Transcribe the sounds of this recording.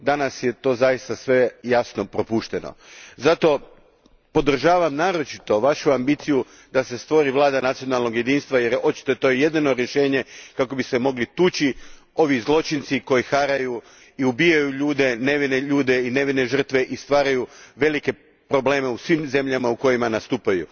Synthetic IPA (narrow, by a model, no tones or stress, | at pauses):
d̪anasjet̪o̞ːzajist̪asʋe̞jasno̞pɾo̞puːʃt̪e̞no̰zat̪o̞ | po̞d̪r̩ʒaːʋamnaːɾo̞t͡ʃit̪o̞ʋaʃuambit̪siju | d̪ase̞st̪ʋo̞ɾiʋlˠaːd̪anat̪sijo̞nalˠno̞ɡje̞d̪iːnst̪ʋajeɾo̞t͡ʃi̥t̪o̞jet̪o̞jeje̞d̪ino̞ɾje̞ʃe̞ːɲe̞kako̞bisemo̞ɡlit̪uːt͡ʃi | o̞ʋizlˠo̞t͡ʃint̪siko̞jixaɾaju | iubijajuʎuːd̪e̞ne̞ʋineʎuːd̪e̞ine̞ʋine̞ʒər̩t̪ʋe̞ʔist̪ʋaːɾajuʋe̞like̞ | pɾo̞ble̞ːme̞usʋimze̞mʎamauko̞jimanast̪uːpajṵ